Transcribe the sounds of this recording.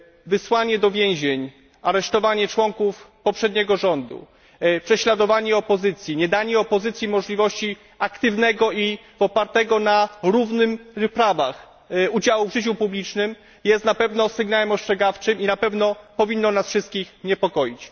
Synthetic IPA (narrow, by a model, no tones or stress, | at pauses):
vɘswaɲɛd̪ɔvʲjɛ̃w̃ʑeɲ | aɾɛʂt̪ɔvaɲɛt͡ʂwɔŋkufpɔpʂɛd̪̚ɲɛɡɔʐɔnd̪ṵ | pʂɛɕlad̪ɔvaɲɛɔpɔzɘt̪sʲjiɲɛd̪aɲɛɔpɔzɘt̪sʲjimɔʐlʲivɔɕt͡ɕi | akt̪ɘvnɛɡɔi | vɔpaɾt̪ɛɡɔnaɾuvnɘmpɾavax | ud͡ʑawuvʐɘt͡ɕupublʲit͡ʂnɘm | jɛst̪napɛvnɔsɘɡnawɛmɔʂt͡ʂɛɡaft͡ʂɘminapɛvnɔpɔvʲinːɔnasfʂɘst̪kʲixɲɛpɔkɔjit͡ɕ